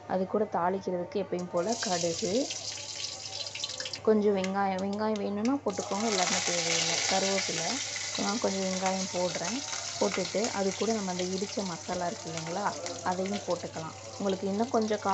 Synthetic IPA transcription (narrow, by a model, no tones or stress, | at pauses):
ʔɐ̰ðɯkːuːɽɐt̪aːlɪkːɪɾɐðɯkːɯɛpːɐjɯ̃mpoːlɐkɐɽɯɣɯ | kɔɲd͡ʒɔ̃ʋɪŋɡaːjɐ̃ʋɪŋɡaːjɐ̃ʋeːɳɯ̃nːaːpoːʈːɯkːoːŋɡɐɛlːaːɾɯnːɯsɛːʋejɐŋɐsɐɾʋoːsɪlːɐnãːkɔɲd͡ʒɔ̃ʋɪŋɡaːjɐ̃mpoːɽɯɾẽːpoːʈːɯʈːɯʔɐ̰ðɯkːuːɽɐnɐmːɐɪnd̪ɐɪɽɯt͡ʃːɐmɐsalãːɪɾɯkːɪʋiːŋɡɐɭaːʔɐðɐjʊ̃mpoːʈːɯkːɐlã̰ː | ʊŋɡɐɭɯkːɯɪnːɐ̃kɔɲd͡ʒɔ̃kaː